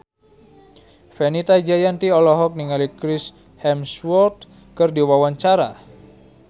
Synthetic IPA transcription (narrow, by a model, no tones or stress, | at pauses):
fɛnit̪ad͡ʒajant̪iɔlɔɦɔk̚niŋalikɾis | hɛmswɔrt̪̚ | kərdiwawaɲt͡ʃaɾa̰